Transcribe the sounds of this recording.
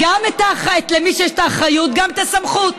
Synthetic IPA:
ɡamet̪aχaet̪lemiʃjeʃt̪aχajut̪̚ɡamet̪asamχut̪

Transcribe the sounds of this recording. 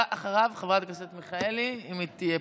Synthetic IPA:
ʔaχaʁavχevʁat̪ɡoset̪miχaeliimit̪ije

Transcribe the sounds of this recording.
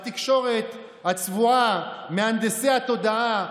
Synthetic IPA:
t̪ikʃo̞ʁe̞t̪ | hat͡svuameand̪eseat̪o̞d̪aa

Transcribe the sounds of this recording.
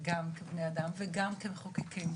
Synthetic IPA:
ɡamkebnead̪amveɡamkemχokikʰim

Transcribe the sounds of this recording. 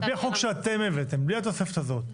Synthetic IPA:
bliħokʃeat̪emevet̪embliat̪osefet̪azo̞t̪̚

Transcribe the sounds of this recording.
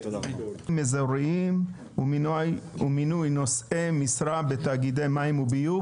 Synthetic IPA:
mezaɾiim | uminujnosemisɾabet̪aɡid̪ejmaimubiju

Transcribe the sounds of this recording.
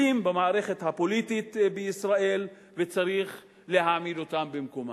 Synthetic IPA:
imbemaːʁe̞χe̞thapo̞lit̪it̪beisʁae̞l | ve̞t͡saʁiχ | le̞ɦaːmido̞tambemko̞ma

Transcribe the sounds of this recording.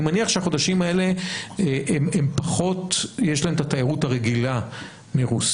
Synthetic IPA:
imaniaχʃeaχo̞d̪aʃimae̞le̞ | ʔemempaχo̞tjeʃlaɦemt̪at̪ajiʁuthaʁeɡila | miʁus

